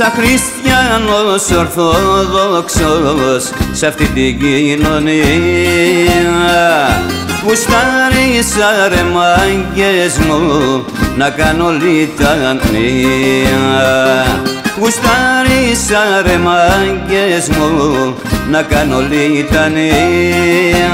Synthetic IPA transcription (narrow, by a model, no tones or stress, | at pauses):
sakɾist̪janosoɾθoðoksossaft̪id̪iɡinoni | a | ɡust̪aɾisaɾemaɡesmo | nakanolit̪annia | ust̪aɾisaɾemaɡesmo | nakanolit̪ani